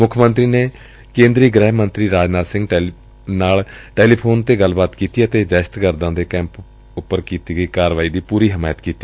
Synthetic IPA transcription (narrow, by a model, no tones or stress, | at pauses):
mʊkʰmənt̪ɾiːneː | kẽːnd̪ɾiːɡɾɛːɦmənt̪ɾiːɾaːd͡ʒnaːsɪ̃ŋɡ | naːlʈeːliːpʰoːnt̪eːɡəlbaːt̪kiːt̪iːət̪eːd͡ʒ̪ɛːʃt̪kəɾd̪ãːd̪eːkɛ̃ːmp | ʊpːəɾkiːt̪iːɡəiːkaːɾʋaːiːd̪iːpuːɾiːɦɪmaːjət̪kiːt̪iː